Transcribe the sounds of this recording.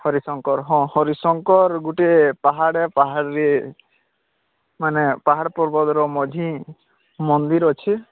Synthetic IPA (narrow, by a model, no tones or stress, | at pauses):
hɔɾisɔŋkɔɾɦɔ̃hɔɾisɔŋkɔɾɡuʈepaɦaɽepaɦaɽɾe | manepaɦaɽɔpɔɾbɔd̪ɾɔmɔd͡ʒ̪ʱĩ | mɔnd̪iɾɔt͡ʃʰi